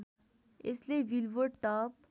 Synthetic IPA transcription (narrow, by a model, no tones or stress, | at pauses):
ḛsleʋilʋəɖ̚ʈɔp̚